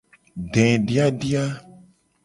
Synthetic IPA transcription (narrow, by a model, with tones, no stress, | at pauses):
ɖɛ̃˨ɖi˦a˦ɖi˦a˦